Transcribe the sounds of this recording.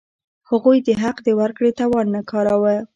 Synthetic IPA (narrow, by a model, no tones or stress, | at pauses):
haɣujd̪əɦaqd̪əwaɾkɽet̪ɑwɑnːakɑɾawə